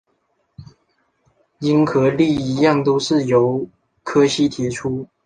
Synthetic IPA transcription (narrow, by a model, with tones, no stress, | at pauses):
i˥nkʰɤ˧˥li˥˩i˧˥jɑ˥˨ŋt̪o˥ʊʂɻ̩˥˩jo˨˥˦ʊ | kʰɤ˥ɕi˥t̪ʰi˨˥ʈ͡ʂʰu˥